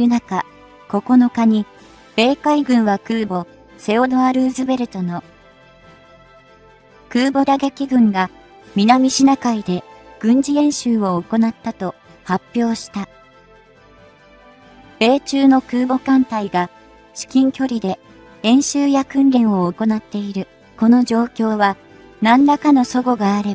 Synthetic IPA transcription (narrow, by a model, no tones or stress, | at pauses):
jɯ̟naka | ko̞ko̞no̞kaɲ̟i | b̥e̞ːkaiɡɯ̟̃ɰ̃βakɯ̟ːbo̞ | se̞ono̞aɾɯ̟ːzɨbe̞ɾɯ̟t̪o̞no̞ | kɯ̟ːbo̞d̪aɡekʲiɡɯ̟̃ŋɡa | mʲinamʲiɕinakaid̪e̞ɡ̥ɯ̟̃ɲ̟d͡ʑiẽ̞ɰ̃ɕɨːo̞ːko̞nat̪ːat̪o̞ | hapʲːjo̞ːɕi̥t̪a | b̥e̞ːt͡ɕɨːno̞kɯːbo̞kãnt̪aiɡa | ɕi̥kʲĩŋkʲo̞ɾʲid̪e̞ | ẽ̞ɰ̃ɕɨːjakɯ̟̃nɾʲẽ̞ɰ̃o̞ːko̞nat̪ːe̞iɾɯ̟ | ko̞no̞ʑo̞ːkʲo̞ːβa | nãnd̪akano̞so̞ɡo̞ɡaːɾe̞b